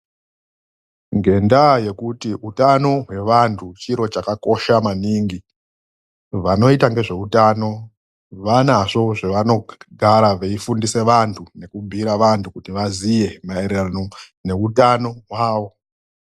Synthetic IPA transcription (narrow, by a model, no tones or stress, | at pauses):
ŋɡe̞ndaje̞kutiʔutano̞ɦwe̞ʋantʰut͡ʃiɾo̞t͡ʃakako̞ʃamaniŋɡi | ʋano̞itaŋɡe̞ʐe̞utano̞ | ʋanaʐo̞ʐeʋano̞ɡʱaɾaʋeifundise̞ʋantʰune̞kubʱiɾaʋantʰukutiʋazije̞mae̞ɾerano̞ | ne̞utano̞ɦwaːʋo̞